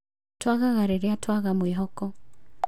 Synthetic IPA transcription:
twaɣaɣaɾeɾeatwaɣamweɦɔkɔ

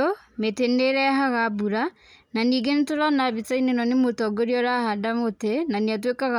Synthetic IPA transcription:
o | meteneɾɛɦaɣaβuɾa | naniːɡentoɾanaβit͡sainenɔnemotɔɡoɾiɔɾahadamotenaniat̬wekaɣa

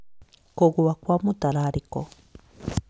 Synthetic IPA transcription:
koɣuβakwamutaɾaɾiko

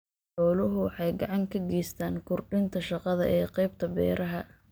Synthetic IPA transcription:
ħɔːlʊɦʊwħɑjɡɑʕɑŋkʰɐɡɛːjst̪ʰaːŋkʰʊrɖɪnt̪ʰɐʃɑqɑðɐ̰ʔɛːqɛjb̚t̪ʰɐbɛ̰ːɾʔɐɦɐ

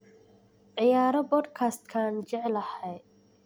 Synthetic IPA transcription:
ʕɪjaːɾɐbɔd̪kʰast̪kʰaːnd͡ʒɛʕlɐhɛj

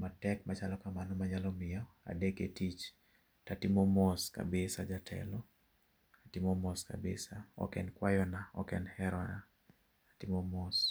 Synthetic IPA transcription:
matɛkmat͡ʃalɔkamanɔmaɲalɔmɪɔa̰deketit͡ʃ | tatimɔmɔska̰bɪsad͡ʒatʰɛ̰lɔ | atimɔmɔska̰bɪ̰saɔ̰kɛnkwajɔnaɔ̰kɛnhɛɾɔna | atimɔmɔs

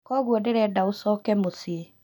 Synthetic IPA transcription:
kɔɣwɔdeɾɛdaosɔːkɛmosie

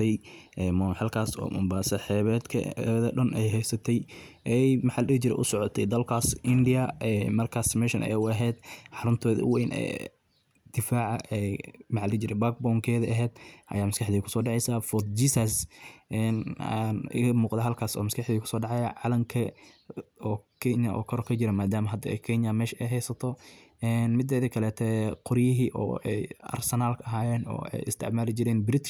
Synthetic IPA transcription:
t̪ʰɛjʔɛmɔħɑlkʰaːsɔ̰ːmʊ̰mbaːsɐħɛːβɛd̪kʰɐ̰ɛðɐɖɐnʔɛjɦɛjsɐt̪ʰɛjʔɛjmɐħalht͡ʃɪɾɛ̰ʔʊsɔʕɔt̪ʰɛjd̪ɐlkʰaːsɪndɪjɐɛmɐrkʰaːsmɛʃɐnʔɛ̰jʊɐɦɛːd̪ħɑɾʊnt̪ʰɔːðɐ̰wɛjnɛ̰ː | d̪̥ɪfaːʕɑɛmɐħaːlɪt͡ʃɪɾɛbaːɡ̚bɔŋkʰɛːðɐʔɐɦɛːd̪ʔɐ̰jaːmɐskɑħd̪iːkʰʊ̥sɔːɖɑʕɛjsaːfɔt̪d͡ʒiːsɐsʔɛna̰nɪ̰ɣɐmuːqd̪ɐɦɐlkʰaːsɔ̰ːmɐskʰɑħd̪iːkʰʊ̥sɔːɖɑʕɑjɐʕɑlɐŋkʰɐ | ɔːkʰɛnjɐ̰ʔɔ̰ːkʰɐɾɔkʰɐt͡ʃɪɾɐmaːd̪aːmɐɦɐd̪ɐɛ̰jkʰɛnjɐmɛːʃɛjɦɛjsɐt̪ʰɔ | ɛnmɪd̪ːɛːðɐkʰɐlɛːt̪ʰɛqʊɾjɪɦiːʔɔ̰ːʔɛjɐ̰rsɛnaːlkʰɐɐɦaːjɛːnɔ̰ːɛ̰jɪ̰st̪ʰɪ̰ʕmaːlɪd͡ʒɪɾɛːnbɪɾɪt̪ʰɪ

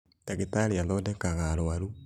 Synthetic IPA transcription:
taɣetaɾiaðodɛkaɣaɾwaɾu

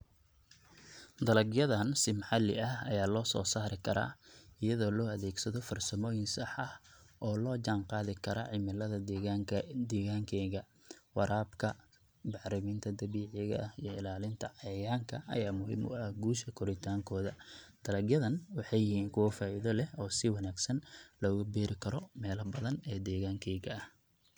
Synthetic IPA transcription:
d̪ɐlɐɡjɐðɐnsɪmɑħɑlːɪ̰ʔɐhɐjaːlɔːsɔ̰ːsaːɾɪkʰɐɾa̰ːɪjɐðɔːlɔːɐðɛːɡsɐðɔfɐrsɐmɔːjɪnsɐħɐhʔɔːlɔːd͡ʒaːnqɑːðɪkʰɐɾɔ̰ːʕɪmɪlɐðɐ | d̪ɛːɣaːŋkʰɛːɣɐ | wɑɾʔaːbkʰɐ | bɑʕɾɪmiːnt̪ʰɐd̪ɐβiːʕɪɣɐ̰ʔɐhijɔɪlaːlɪnt̪ʰɐʕɑjɐjaːŋkʰɐɐ̰jaːmʊɦḭːmʔʊ̰ʔɐhɡuːʃkʰɐkʰɔɾɪt̪ʰaːŋkʰɔːðɐ | d̪̥ɐlɐɡjɐðɐnwɑħɑjɪɦiːŋkʰʊwɐfaːʔɪðɔlɛhɔːsɪwɑnaːɡsɐnlɔʊɣʊbɛːɾɪkʰɐɾɔmɛːlɐbɐðɐnɛːd̪ɛːɣaːŋkʰɛːɣɐɐh

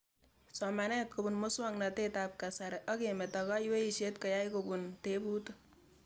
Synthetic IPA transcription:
sɔmanɛt̚kobunmoswaŋnat̪etap̚kasaɾʔɔkemetakajweiʃetkɐjajkobuntebut

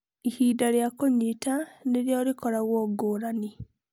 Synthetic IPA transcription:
ihiːdaɾjakoɲitaneɾjɔːɾikɔɾaɣwɔɡoːɾani

